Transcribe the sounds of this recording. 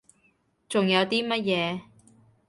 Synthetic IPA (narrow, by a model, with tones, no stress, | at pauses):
t͡sʊ˨ŋjɐ˨˧wt̪iː˥mɐ˥t̚jɛː˨˧